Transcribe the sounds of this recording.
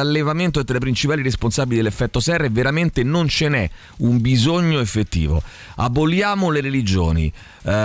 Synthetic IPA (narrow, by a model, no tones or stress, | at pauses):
alːevament̪od̪t̪ɾapɾint͡ʃipaːliɾesponsaːbilid̪elːefːɛt̪ːosɛrːeveɾament̪enont͡ʃenɛ | umbizoɲːoefːet̪ːḭːvo̰ | a̰bːoljaːmoleɾelid͡ʒo̰ːnḭ